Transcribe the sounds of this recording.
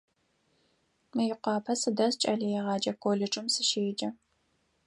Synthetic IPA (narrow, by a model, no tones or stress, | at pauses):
mɨjɪqʷɑːpʰɐsɨdɐst͡ʃʼɐɮɐjɛʁɑːd͡ʒɐkʰʷoːɮɪʈ͡ʂʼɨmsɨʃeːd͡ʒɐ